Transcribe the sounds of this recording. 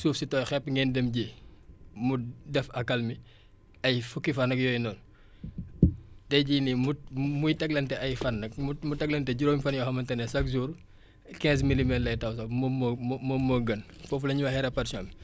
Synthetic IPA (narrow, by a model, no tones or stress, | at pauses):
suːfsitɔːjxɛpːŋɡɛːndɛmɟi | mudɛfɐkːɐlmi | ɐjfukːifɐnɐkjɔjnɔːn | tɛɟinimumujtɐɡ̚lɐntɛɐjfɐnːɐk̚mumutɐɡlɐntɛɟuɾoːmifɐnjɔxɐmɐntɛnɛsɐk̚zuːɾ | kɛ̃ːnsmilimɛtlɐjtɐws̬ɐmmmomoɡɐn | fɔːflɐɲiwɐxɛɾɛpɐɾsɔːmi